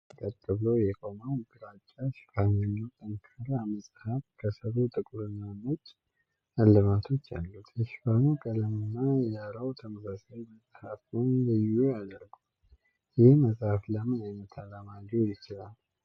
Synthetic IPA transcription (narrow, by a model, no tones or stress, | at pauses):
k̪ʼət̪ʼːɨβləwjɛkʼo̞mawɡɨɾat͡ʃʼːaʃɪ̥fanjɛnːiwt̪ʼənkʰəɾaməsʼhafkʰəsəɾut̪ʼɨkʼuɾɨnːanət͡ʃː | alːɨmat̪ʰo̞t͡ʃːa̰lːut̪jɛʃɪ̥fanukʼələmɨnːajaɾawt̪ʰəməsasajməsʼhafunlɨjːujad̪əɾɡu | jɪhməsʼhafləmɨnajnət̪ʰalamad͡ʒojɪt͡ʃɪlal